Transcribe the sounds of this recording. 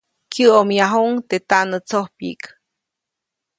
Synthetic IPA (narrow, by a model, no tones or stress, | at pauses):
kjɨomjaɦoŋt̪et̪aʔnɨt͡sohpḭk